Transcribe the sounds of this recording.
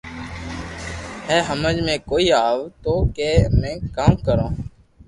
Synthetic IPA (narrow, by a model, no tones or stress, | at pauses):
ɦɛːɦəməd͡ʒmẽːkoːiːaːʋt̪oːkeːmɛ̃ːkaːmkəɾõː